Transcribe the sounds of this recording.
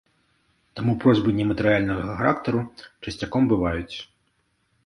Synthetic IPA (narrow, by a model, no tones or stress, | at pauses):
t̪amupɾɔzʲbɨnʲːɛmɐt̪ɨɾɨjalʲnɐɣɐɐxaɾakt̪ɐɾut͡ʂɐsʲt͡sʲakɔmbɨvajut͡sʲ